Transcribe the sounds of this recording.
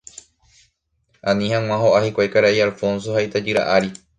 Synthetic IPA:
ãnĩhãŋw̃ãɦoʔahikʷajkaɾaʔialfõ̞ns̬o̞ɦait̪ad͡ʒɨɾa̰ʔaɾi

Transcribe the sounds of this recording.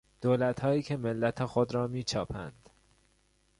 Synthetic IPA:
d̪̥oːlæt̪hɒːjiːcʰe̞melːæt̪ʰexod̪ɾɒːmiːt͡ʃʰɒːpʰæ̰nd̪̥

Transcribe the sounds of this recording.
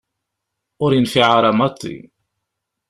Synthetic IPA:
ʊɾinfiʕaɾˤɑmɑt̪ˤːḭ

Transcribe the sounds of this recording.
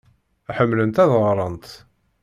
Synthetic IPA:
æħəmːlənt̪æðʁɾˤənt̪

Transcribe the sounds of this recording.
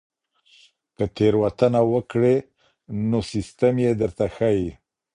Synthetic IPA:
kət̪eɾwat̪ənawəkɽe | nosist̪əmjed̪əɾt̪axaji

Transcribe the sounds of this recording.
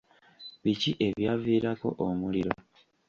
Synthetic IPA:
βiciʔe̞βjaːviːɾako̞̰ʔomuliɾo̞

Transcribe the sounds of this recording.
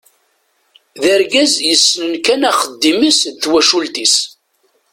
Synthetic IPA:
ðæɾɡæzjəsːnənkænæχəd̪ːiməsθwæʃult̪is

